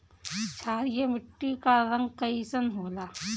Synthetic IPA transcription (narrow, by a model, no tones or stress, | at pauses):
t͡ʃʰaːɾijemɪʈːikaɾɐŋɡkɐisɐnɦoːlaː